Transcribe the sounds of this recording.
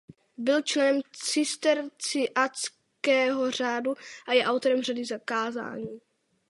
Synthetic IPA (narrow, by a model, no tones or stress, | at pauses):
bɪlt͡ʃlɛnɛmt͡sɪst̪ɛɾt͡sɪʔat͡s | kɛːɦo̞r̝aːduʔajɛʔawt̪oɾɛmradɪzakaːza̰ːɲiː